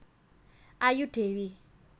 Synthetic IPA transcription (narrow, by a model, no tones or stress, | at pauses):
ajuɖewi